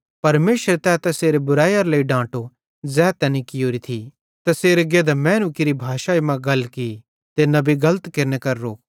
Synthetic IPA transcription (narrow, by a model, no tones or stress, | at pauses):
pɐɾmeːʃɾet̪ɛːt̪ɛseːɾebʊɾaːjɐɾlɐiɖãːʈo | d͡zɛːt̪ɛːnikɪjoːɾit̪ʰi | t̪ɛseːɾeɡeːd̪amɛ̃ːnukiɾibʱaːʃaːimãɡɐlki | t̪enɐbiɡɐlət̪kɪɾnekɐɾɾoːk̚